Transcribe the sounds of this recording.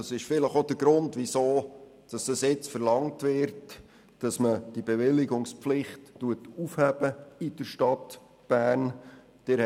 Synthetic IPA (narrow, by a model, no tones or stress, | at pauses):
ɑsɪʃfɪləχod̥əɾɡɾʊntʋisoː | d̥ɑsd̥ɑsjɪt͡sfəɾlɑŋtʋɪɾt | d̥ɑsməd̥ibeʋɪlɪɡʊŋspflɪχtːuətufhæb̥əɪd̥əɾʃtɑt | b̥æːn | d̥ɪ